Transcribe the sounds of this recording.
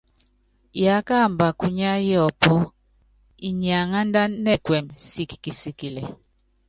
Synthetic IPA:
ja˨˦ka˦˨mba˨ku˦ɲa˦jɔ˦˨pɔ˦ | i˨ɲa˨ŋa˦nda˦nɛ˦kwɛ˨msi˦ki˨ki˨si˦ki˨lɛ˨

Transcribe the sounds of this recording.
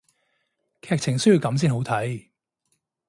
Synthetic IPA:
kʰɛː˧k̚t͡sʰɪ˨˩ŋsɵ˥ɥji˧wkɐ˨˥ms̬iː˥nɦo˨˥wt̪ʰɐ˨˥j

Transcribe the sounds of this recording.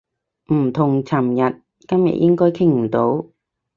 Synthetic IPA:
m̩˨˩t̪ʰʊ˨˩ŋt͡sʰɐ˨˩mjɐ˨t̚ | kɐ˥mjɐ̰˨t̚ʔjɪ˥ŋkɔː˥jkʰɪ˥ŋm̩˨˩t̪o˨˥w

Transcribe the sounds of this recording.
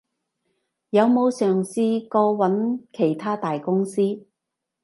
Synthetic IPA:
jɐ˨˧wmo˨˧wsœː˨˩ŋsiː˧kɔː˧wɐ˨˥nkʰe˨˩jt̪ʰaː˥t̪aː˨jkʊ˥ŋsiː˥

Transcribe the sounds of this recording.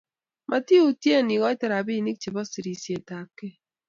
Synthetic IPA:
mʔa˨ti˦u˨tje˦˨ni˨ɡɔ˦tɛ˦ɾa˨bi˦˨ni˦k̚t͡ʃe˨bɔ˦si˨ɾi˨sje˨ta˨p̚kːe˦˨

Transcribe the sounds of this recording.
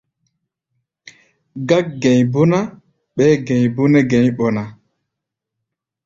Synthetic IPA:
ɡa˦k̚ɡɛ˨ɲbu˦na˦ | ɓɛ˦ɡɛ˨jbu˦nɛ˦ɡɛ˨ɲɓɔ˨na˨

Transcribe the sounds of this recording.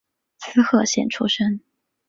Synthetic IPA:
t͡sʰɹ̩˥xʰɤ˥˧ɕjɛ̰˨˩nʈ͡ʂʰu˥ʂə˥ŋ

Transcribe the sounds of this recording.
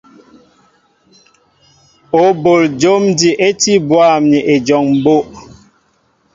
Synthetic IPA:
o˨bo˨ld͡ʒo˦mdi˨ʔe˦ti˦bwa˦˨mɲi˨ʔe˨d͡ʒɔ˨ŋm̩˨bo˦ʔ

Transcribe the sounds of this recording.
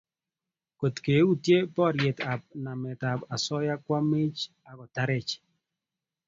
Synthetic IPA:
ko˨tke˨˦u˦tje˦bɔ˦˨ɾje˨ta˨b̚na˨mɛ˨ta˨ba˨sɔ˦ja˦kwa˦me˦t͡ʃ | a˨kɔ˨ta˦ɾɛ˨t͡ʃ

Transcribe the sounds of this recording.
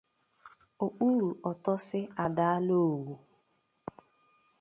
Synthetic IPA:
o˨k͡pu˦ɾu˨ɔ˨tɔ˦sɪ˦a˨da˦a˦lo˦˨wu˨

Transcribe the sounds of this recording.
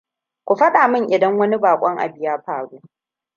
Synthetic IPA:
kʷu˨ɸɐ˦ɗaː˨mɪ˦˨ŋʔɪ˨dɐ˦ŋwɐ˦ni˦baː˨kʷʼɔ˦ŋʔa̰˨bɪ˨jaː˦ɸaː˨ɽuː˦

